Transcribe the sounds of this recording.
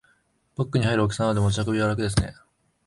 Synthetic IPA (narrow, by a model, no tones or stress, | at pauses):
pokːɯ̟ɲ̟ihaiɾɯ̟ok̬ʲi̥sãad̪emot͡ɕiakɯ̟bʲiβaɾakɯ̟d̪e̞s̬ɨne̞̰